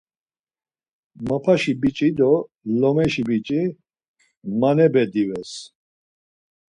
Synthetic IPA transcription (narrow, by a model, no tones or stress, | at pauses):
mapʰaʃibit͡ʃʼid̪ɔ | lɔmɛʃibit͡ʃʼi | manɛbɛd̪ivɛs